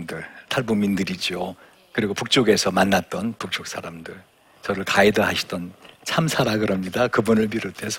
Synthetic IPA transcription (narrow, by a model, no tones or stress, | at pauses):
mdɯɭtʰaɭbumːindɯɾid͡ʑio | kɯɾiɡopuk̚t͡ɕ͈oɡe̞sʰʌmanːat̚t͈ʌnpuk̚t͡ɕ͈ok̚s͈aɾamdɯɭ | t͡ɕʌɾɯɭkaidʌɦaɕʰi̥d̥ʌnt͡ɕʰamsʰaɾaɡɯɾʌmɲidakɯbunɯɭp̬iɾotʰe̞sʰʌ